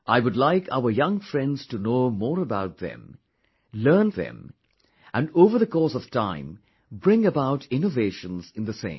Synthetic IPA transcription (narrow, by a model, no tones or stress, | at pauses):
ʔaɪwʊdˡlaɪkʰa̰ʊə˞jʌ̃ŋfɹɛ̃ndz̥tɨnoʊmɔːɹəbaʊt̪̚ðɛ̰̃m | lɜ˞nðɨɛ̰̃m | ʔɨ̃ndoʊvə˞ðɨkʰɔsʌv̥tʰãɪ̃m | bɹɪ̃ŋəbaʊtɪ̃noveɪʃə̃nzɨ̃nðəsḛ̃ɪ̃m